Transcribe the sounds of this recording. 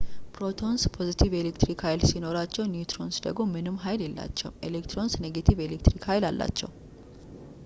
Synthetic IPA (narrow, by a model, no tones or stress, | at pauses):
pɾo̞t̪ʰo̞nspʰo̞zit̪ʰivelekt̪ɾikhajlsino̞ɾat͡ʃːɛwnjut̪ʰɾo̞nsd̪əɡmo̞mɨnɨmɦajljɛlːa̰t͡ʃːɛ̰wʔḛlekt̪ɾo̞nsneɡet̪ʰive̞lekt̪ɾikhajlalːa̰t͡ʃːɛ̰w